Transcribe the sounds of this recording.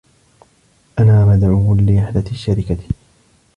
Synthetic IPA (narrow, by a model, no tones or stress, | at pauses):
ʔanaːmad̪ʕuːlɪʔaħd̪at̪ʃːaɾɪkat̪